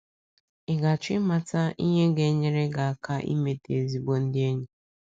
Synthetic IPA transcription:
ɪ˨ɡa˨t͡ʃɪ˦ma˨ta˦i˦ɲe˦ɡe˨˦ɲe˦ɾe˦ɡa˨a˨ka˦ʔḭ˦me˦te˨zi˨ɡ͡bo˦n̩˦dɪ˦e˦ɲe˦

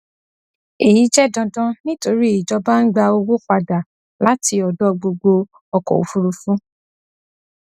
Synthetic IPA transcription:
i˨ji˨˦d͡ʒɛ˦dɔ̃˧dɔ̃˧nĩ˦to˧ɾi˦i˨d͡ʒɔ˧ba˦n̩˦ɡ͡ba˧o˧wo˦k͡pa˧da˨ | la˦tʰi˧ɔ˨dɔ˦ɡ͡bo˧ɡ͡bo˧ | ɔ˧kɔ̰˨o̰˨fu˧˦ɾu˧fũ˦

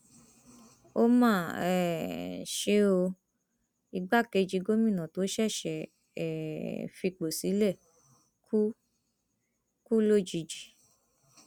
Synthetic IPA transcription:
o˦mãː˦˨ɛ˨ʃe˧˦o˧ | i˧ɡ͡ba˦ke˧d͡ʒi˧ɡo˦mĩ˦˨nã˨to˨˦ʃɛ˦˨ʃɛ˨ | ɛ̰˨fi˧k͡po˨si˨˦lɛ˦˨ | ku˦ | ku˦lo˦˨d͡ʒi˧d͡ʒi˨˦

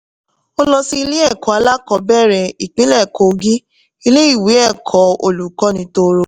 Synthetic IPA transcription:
o˦lɔ˧si˧˦i˧le˦ɛ˦˨kɔ˨˦a˧˦la˦kɔ˧bɛ˦˨ɾɛ˧˨i˨k͡pĩ˨˦lɛ˦˨ko˨ɡi˦ | i˧le˦i˦˨we˨˦ɛ˦˨kʰɔ˨˦o˧˨lu˨kɔ˨˦nĩ˨˧˦to˧ɾo˧˦

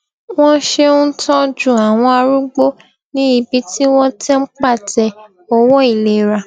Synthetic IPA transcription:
w̃ɔ̃˦ʃe˦ũ˦tʰɔ̃˦d͡ʒũ˦˨a˨w̃ɔ̃˧a˧ɾu˦ɡ͡bo˦ | nĩ˦i˧˨bi˨˧ti˦w̃ɔ̃˦tɛ˦ŋ͡m̩˦k͡pa˦˨tɛ˨ | o˧wɔ˦i˦˨le˨ɾa˨

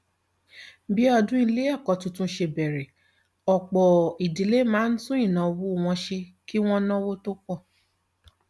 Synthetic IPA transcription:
bi˦ɔ˧dũ˦i˧le˨˦ɛ˦˨kɔ˨˦tũ˧˦tũ˦ʃe˧bɛ˨ɾɛ˨ | ɔ˨k͡pɔ˨i˨di˨˦le˦mãː˨˦n̩˦tũ˦ĩ˦˨nã˨˧wu˦˨w̃ɔ̃˧ʃe˧ki˦w̃ɔ̃˦nɔ̃˦wo˦to˦k͡pɔ˦˨

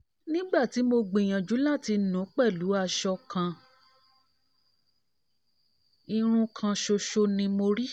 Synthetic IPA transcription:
nĩ˦ɡ͡ba˦˨ti˨˦mo˧ɡ͡be˨j̃ã˨d͡ʒu˨˦la˦˨ti˧nũ˨˦k͡pɛ˦˨lu˨˦a˧˨ʃɔ˧kʰã˧ | i˧ɾ̃ũ˧kʰã˧ʃo˧ʃo˧nĩ˧mo˧ɾi˦

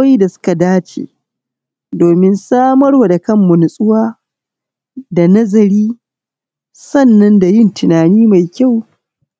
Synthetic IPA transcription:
i˦da˨sʊ̥˦ka˨daː˦t͡ʃḛː˨ | doː˨mɪ˦nsaː˦mɐ˦ɽwa˨da˨kɐ˦˨mːʊ˨nʊ˨sʼʊ˦waː˦ | da˨nɐ˦zɐ˨ɾiː˦ | sɐ˦˨nːɐ˦nda˨jɪ˦˨ntɪ˨naː˨niː˦ma˨jkʲa˦˨w

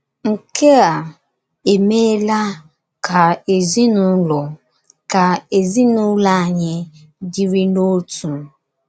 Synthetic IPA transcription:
ŋ̩˨ke˦a˨ | e˨me˦la˦ | kʰa˨e˨zi˦nu˦lɔ˨ | ka˨e˨zi˦nu˦la˦a˨ɲɪ˦ | di˦ɾi˦no˦tu˨

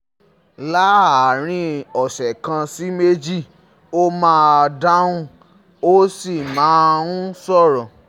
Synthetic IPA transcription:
la˦a˨ɾ̃ĩ˧ɔ˨ʃɛ˨kã˧si˦me˦d͡ʒi˦˨ | o˦mãː˦a˧da˦ũ˦ | o˦si˦˨mãː˨˦˧ũ˦sɔ˦˨ɾɔ̃˨

